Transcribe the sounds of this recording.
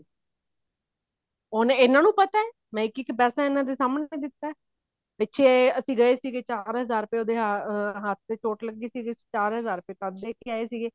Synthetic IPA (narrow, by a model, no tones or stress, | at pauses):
oneɪnãːnũːpət̪aːɛː | mɛ̃ːɪkːɪkpɛːsaːɪnãːd̪eːsaːməneːd̪ɪt̪ːaːɛː | pɪtːʃʰeːəsĩːɡəeːsiːɡeːt͡ʃaːɾɦəzaːɾpeːoːd̪eːɦɦət̪̚ʰt̪eːt͡ʃoːʈləɡːeːsiːɡe̥ːt͡ʃaːɾɦəzaːɾpeːt̪əd̪eːkiaːeːsiːɡeː